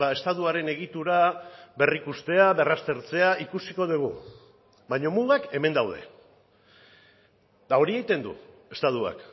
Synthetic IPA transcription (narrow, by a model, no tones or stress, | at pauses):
ae̞st̪at̪uaɾe̞ne̞ɣ̞it̪uɾaβe̞rikust̪e̞aβe̞rast̪e̞ɾt͡se̞aikusiko̞ðiɣ̞u | baɲo̞muɣake̞me̞nd̪awð̞e̞̰ | d̪ao̞ɾie̞jt̪e̞nd̪ṵ | e̞st̪aðua̰k